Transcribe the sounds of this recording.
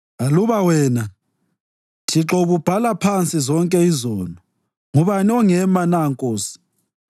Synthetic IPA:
aluβawɛːna | tʰiǁɔβub̥ʱalapʰant͡sʼizɔŋkʼɛizɔːnɔ | ŋuβaniɔŋɛmanaŋkʼoːsi̥

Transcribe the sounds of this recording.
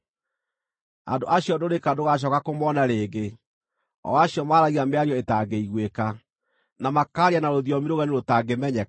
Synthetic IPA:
a̰ndoʔaɕiɔdoɾekadoɣaɕ̬ɔkakomɔnaɾeːɡe | ɔ̰aɕiɔmaːɾaɣiameaɾiɔetaɡeiɣweka | namakaːɾianaɾoðjɔmiɾoɣɛneɾotaɡemɛɲɛ

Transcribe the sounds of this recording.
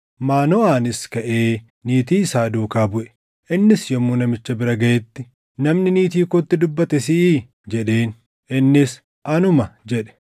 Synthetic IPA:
maːnɔaːnɪskɐʔe̞ː | niːt̪iːɪsaːd̪uːkaːbʊʔɛ̥ | ʔɪnːɪsjɔmːunɐmɪt͡ʃːɐbɪɾɐɡɐjɛt̪ːɪ | nɐmnɪniːt̪iːkot̪ːɪd̪ʊbːɐt̪ɛsɪː | d͡ʒɛᶑe̞ːn | ɪnːɪs | ʔɐnʊmɐd͡ʒɛᶑɛ̥

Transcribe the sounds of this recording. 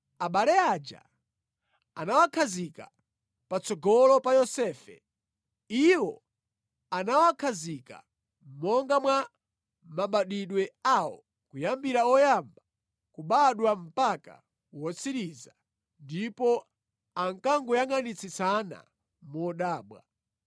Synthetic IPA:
aɓalɛad͡ʒa̰ | anawakʰazika | pat͡sɔɡɔlɔpajɔsɛːfɛ̰ | iwɔ | anawakʰazika̰ | mɔŋɡamwa | maɓaɗiɗwɛawɔ̰ | kujambiɾaɔjamba | kuɓaɗwam̩paka̰ | wɔt͡sʰiɾiza | ndipɔ | aŋkaŋɡujaŋanit͡sʰisana̰ | mɔɗaːɓwa̰

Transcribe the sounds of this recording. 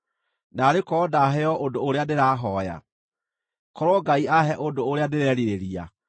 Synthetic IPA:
naɾekɔdaɦɛjɔʔodoːɾeadeɾaːɦɔja̰ | kɔɾwɔɡaiaɦɛʔodoːɾeadeɾɛɾiɾeɾia̰

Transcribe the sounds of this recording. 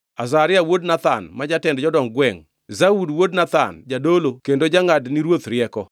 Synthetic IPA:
azaɾɪawodnat̪a̰nmad͡ʒatɛndd͡ʒɔdɔŋɡwɛŋ | zaudwodnat̪a̰nd͡ʒadolokendod͡ʒaŋadniɾwot̪ɾjɛkɔ

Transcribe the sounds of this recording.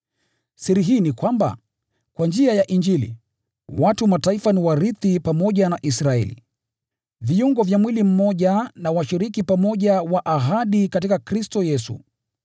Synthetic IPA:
siɾiɦiːnikwamba̰ | kwand͡ʒiajaʔind͡ʒilḭ | watumataifaniwaɾiθipamɔʄanaʔisɾaɛ̰lḭ | viuŋɡɔvjamwilim̩mɔʄanawaʃiɾikipamɔʄawaʔaɦaɗikat̬ikakɾistɔjɛsṵ

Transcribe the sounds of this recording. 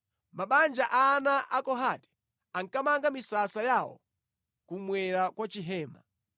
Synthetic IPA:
maɓand͡ʒaʔanaʔakɔɦatɛ̥ | aŋkamaŋɡamisasajawɔ̰ | kumwɛɾakwat͡ʃiɦɛːma

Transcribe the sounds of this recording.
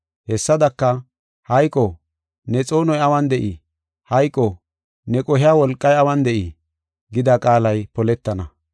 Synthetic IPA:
hɛsːɐd̪ɐkːɐ | hɐjkʼɔ | nɛt͡sʼo̞ːnɔjɐwɐnd̪ɛʔi | hɐjkʼːɔ | nɛkʼɔɦɪjaːwɔlkʼːɐjɐwɐnd̪ɛʔi | ɡɪd̪akʼaːlɐjpɔlɛt̪ːɐnɐ̰

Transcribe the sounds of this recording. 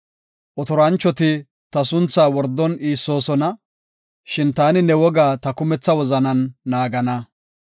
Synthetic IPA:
ʔɔt̪ɔɾɐnt͡ʃːɔt̪ɪ | t̪ɐsʊnt͡sːaːwɔɾd̪ːɔniːsːo̞ːsɔnɐ | ʃɪnt̪aːnɪnɛwɔɡaːt̪ɐkʊmɛt͡sːɐwɔzɐnɐnːaːɡɐnɐ

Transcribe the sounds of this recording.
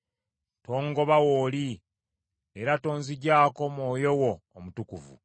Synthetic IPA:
to̞ːŋɡo̞βawoːli | eɾato̞ːnziɟaːko̞mwo̞ːjo̞woːmutukuvṵ

